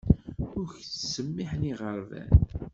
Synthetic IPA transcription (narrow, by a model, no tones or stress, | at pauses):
ʊɾçt͡ssəmːiħniʁəɾˤvæ̰n